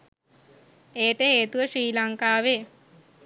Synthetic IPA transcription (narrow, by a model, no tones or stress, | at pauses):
eːʈəɦeːt̪uʋəʃɾiːlaŋkaːʋe